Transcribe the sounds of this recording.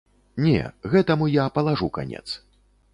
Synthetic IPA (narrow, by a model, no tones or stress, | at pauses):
nʲɛ̰ɣɛt̪ɐmujapɐlˠaʐuka̰nʲɛ̰t̪s